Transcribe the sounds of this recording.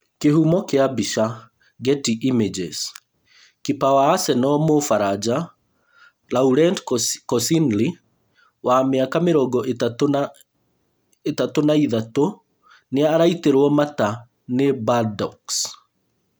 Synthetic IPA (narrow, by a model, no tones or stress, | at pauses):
keɦumɔkeabiʃa | ɡɛtiʔimed͡ʒḛs | kipawaːsɛnɔmofaɾad͡ʒa | lauɾɛndkɔsinli | wameakameɾɔɡɔʔetatona | etatonaiðato | neaːɾaiteɾwɔmata | nebadɔks